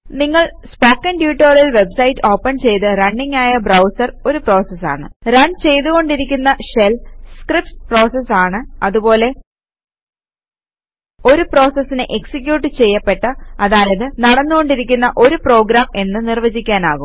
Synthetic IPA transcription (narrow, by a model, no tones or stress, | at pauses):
niŋːɐɭspoːkːɐnɖjuːʈːoːrjɐlʋe̞bsɐjitːɨo̞ːpːɐnt͡ɕe̞jt̪ɨrɐɳːɖiŋːaːjɐbrɐwsɐro̞ɾupro̞ːsɐsa̰ːɳɨrɐɳɖt͡ɕe̞jt̪uɣo̞ɳɖiɾik̬ʲːunːɐɕelskripspro̞ːsɐsaːɳɨɐðubo̞ːle̞ | o̞ɾupro̞ːsɐsːinɨʔeksik̬ʲjuːʈːɨt͡ɕe̞jːɐpːe̞ʈːɐɐðaːlɐðɨnɐɽɐnːuɣo̞ɳɖiɾikʲːunːɐʔo̞ɾupro̞ːɡɾaːme̞nːɨnirʋɐd͡ʑikʲːaːnaːɣum